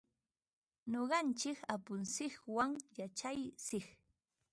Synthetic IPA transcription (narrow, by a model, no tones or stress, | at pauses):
ɲoɢɑnt͡ʃɪkapʊnsɪkwaŋjat͡ʃajsɪχ